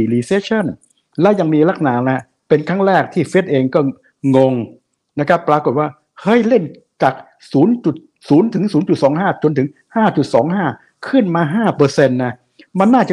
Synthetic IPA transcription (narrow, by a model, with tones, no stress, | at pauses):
i˨˩liː˧seː˦˥t͡ɕʰa˥˩n | lɛ˦˥ja˧ŋmiː˧la˦˥˩k̚naː˩˦ŋna˦˥ | pe˧nkʰa˥˩ŋɾɛː˥˩k̚t̪ʰiː˥˩fe˦˥t̪̚ʔeː˧ŋkɔː˥˩ | ŋo˧ŋ | na˦˥kʰa˦˥pːɾaː˧ko˨˩t̪̚waː˥˩ | hɤ˦˥˩jle˥˩n | t͡ɕaː˨˩k̚ | suː˩˦˥nt͡ɕu˨˩t̪̚ | suː˩˦nt̪ʰɯ˩˦ŋsuː˩˦nt͡ɕu˨˩t̪̚sɔː˩˦ŋɦaː˥˩t͡ɕo˧nt̪ʰɯ˩˦ŋ | haː˥˩t͡ɕu˨˩t̪̚sɔ̰ː˩˦ŋɦaː˥˩ | kʰɯ˥˩nmaː˧ɦaː˥˩pɤː˧se˧nːa˦˥ | ma˧nːaː˥˩t͡ɕa˨˩